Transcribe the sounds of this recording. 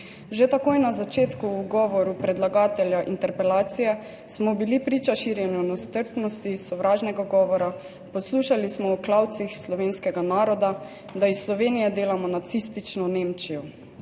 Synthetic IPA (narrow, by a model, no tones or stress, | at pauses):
ʒet̪akojnazat͡ʃeːt̪kuːɡɔʋɔɾupɾɛd̪laɡaːt̪ɛljaʔḭnt̪ɛɾpɛlaːt̪sijɛ | smɔbilipɾiːt͡ʃaʃiːɾjɛnɔnɔst̪əɾpnɔst̪isɔʋɾʔaːʒnɛɡaɡɔːʋɔɾa | pɔsluːʃalismɔɔklawt̪sixslɔʋeːnskɛɡanaːɾɔd̪a | d̪aisːlɔʋeːnijɛd̪eːlamɔnat̪sist̪it͡ʃnɔnemt͡ʃijɔ